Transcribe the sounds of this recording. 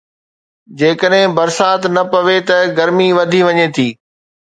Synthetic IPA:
d͡ʑeːkəɗɦɪ̃bɐɾsaːt̪nɐpɐʋet̪ɐɡɐɾmiʋɐd̪ʱiʋɐɲet̪ʰiː

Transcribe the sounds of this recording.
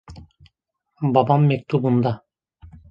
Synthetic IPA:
bɑbɑmːek̚t̪ubund̪ɑ

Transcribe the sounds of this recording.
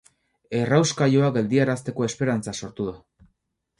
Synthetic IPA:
e̞rawskajoaɡe̞ld̪iaɾast̪e̞ko̞e̞spe̞ɾant͡saso̞ɾt̪uða

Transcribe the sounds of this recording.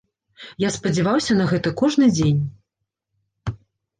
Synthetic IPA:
jaspɐd͡zʲɛvawsʲɐnɐɣɛt̪ɐkɔʐnɨd͡zʲenʲ

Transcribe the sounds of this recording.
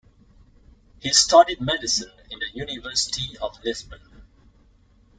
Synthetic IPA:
hisʈɔɖid̚mɛdɪsə̃nɪ̃nd̪əjunɪʋəɾsɪ̥ʈʰiɔʋlɪsbə̃n

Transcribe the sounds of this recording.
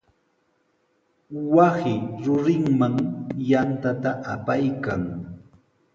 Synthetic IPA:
wasɪɾʊɾɪŋmaŋjant̪at̪aʔapajkaŋ

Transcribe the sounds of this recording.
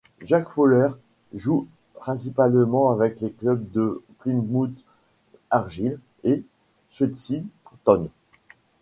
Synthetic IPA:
ʒakfolɛʁ | ʒu | pχɛ̃s̬ipalmɑ̃avɛkleklœb̚d̪əplinmut̪ | aʁʒil | e | sesipt̪ɔn

